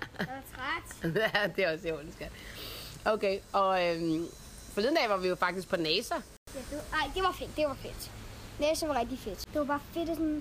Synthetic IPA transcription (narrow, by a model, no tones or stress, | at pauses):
t͡sʰʁad̥æd̥e̝æɒso̥n̩sɡ̥æd̥ʔoʊkʰeɪɒ̽øm | fɒ̽liðˠnd̥ɛ̰ːʋɑ̈ʋijo̝fɑ̈ɡ̥d̥isɡ̥̚pʰɒ̽nɛːsɐ | jæd̥enaɪ̰d̥e̝ʋɑ̈fe̝d̥d̥e̝ʋɑ̈fed̥nɛːsəʋɑ̈ʁɛɡ̥̚d̥ifed̥d̥eʋɑbɑ̈ːfed̥sɔn